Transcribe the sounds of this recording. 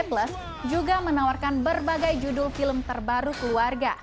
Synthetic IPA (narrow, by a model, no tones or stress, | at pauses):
pləs | d͡ʒuɡamənawarkanbərbaɡajd͡ʒudʊlfiləmt̪ərbaɾukəluarɡa